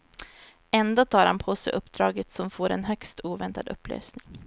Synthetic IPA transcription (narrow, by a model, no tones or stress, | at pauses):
ɛnd̪oːt̪ʰɑːɾhanpʰoːsɛ̰jʔɵpːd̪ɾɑːɡət̪sɔmfoːɾɛ̰nɦœkst̪ʰuːvɛnt̪ad̪ɵpːlø̰ːsnɪŋ